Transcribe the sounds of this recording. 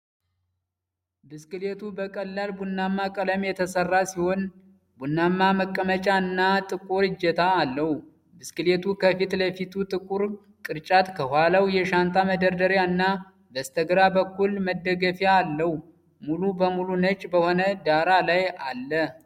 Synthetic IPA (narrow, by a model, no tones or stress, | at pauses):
bɨskɨlet̪ʰubəkʼəlːalbunːamːakʼələmjɛt̪ʰəsərːasiho̞n | bunːamːaməkʼːəmət͡ʃʼaɨnːat̪ʼɨkʼuɾɨd͡ʒɛt̪ʰaːlːəhu | bɨskɨlet̪ʰukʰəfit̪ləfit̪ʰut̪ʼɨkʼuɾ | kʼɨɾt͡ʃʼat̪kʰəhʷalawjɛʃant̪ʼaməd̪əɾd̪əɾjaɨnːa | bəst̪ʰəɡɾabəkːulməd̪ːəɡəfjaːlːəhu | mulubəmulunət͡ʃʼːbəho̞nəd̪aɾalajalːə